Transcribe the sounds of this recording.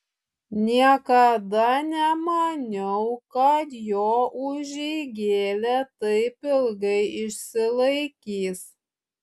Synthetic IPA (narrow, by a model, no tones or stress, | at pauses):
nʲiɛkɐd̪ɐnʲɛmɐnʲɛʊkɐt̪joːʔʊʒʲɛɪɡʲeːlʲɛt̪ɐɪpʲɪlˠɡɐɪɪʃʲsʲɪlˠɐɪkʲiːs